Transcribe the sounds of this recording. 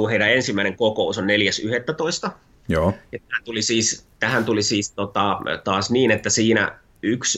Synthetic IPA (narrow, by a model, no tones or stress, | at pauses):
uːheiɾæensimːæineŋkokousonneljæsyhet̪ːæt̪oist̪ɑ | joːjɑt̪æhænt̪ulisiːst̪æhænt̪ulisiːst̪ot̪ɑt̪ɑːsniːnet̪ːæsiːnæ̰ | yks